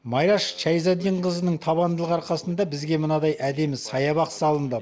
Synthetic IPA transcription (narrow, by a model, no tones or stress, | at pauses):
mɑjɾɑʃʃæjzɑd̪iɴqəzənəɴt̪ʰɑβɑnd̪əlˠəqɑɾqɑsənd̪ɑbɪzɡʲe̞mənɑd̪ɑjʔæd̪e̞mɪsɑjɑβɑqsɑlˠənd̪ə